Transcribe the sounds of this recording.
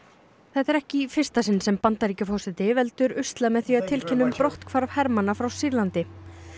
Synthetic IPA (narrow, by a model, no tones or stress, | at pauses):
θɛt̪ɛɾɛhcɪfɪr̥st̪asɪnsɛmpant̪aɾicʏfɔwsɪt̪ɪvɛlt̪ʏɾʏst̪lamɛðθviaðt̪ʰɪlcʰɛnːʏmpɾɔht̪kʰvaɾvhɛɾmanːafɾawsiɾlant̪ɪ